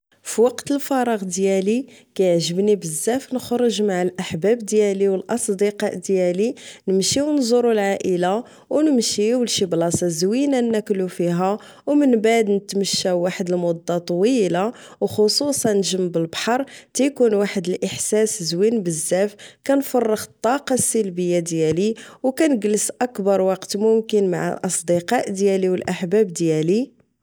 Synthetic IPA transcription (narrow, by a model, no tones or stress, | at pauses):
fiwɑqt̪əlfɑɾˤɑɣd̪jælikæjəʕʒəbnibəzːæfnəxɾˤəʒmaʕəlʔaħbæbd̪jæliwəlʔɑsˤd̪iqɑʔd̪jælinəmʃiwnzˤʊɾulʕaʔəla | wnəmʃiwnʃiblɑsɑzwinanːæklufiɦæ | wmənbaʕd̪nət̪məʃːæwaħəd̪əlmʊd̪ˤːɑt̪ˤwila | wxosˤusˤɑnːʒəmːbəlbħɑɾˤt̪æjkunwaħəd̪əlʔəħsæszwinbəzːæfkænfɑrˤːəxə̥t̪ˤːɑqɑsːəlbəjːad̪jæliwkænəɡləsʔækbɑɾˤwɑqt̪mʊmkənma̰ʕ̰ʔɑsˤd̪iqɑʔd̪jæliwəlʔaħbæb̚d̪jæli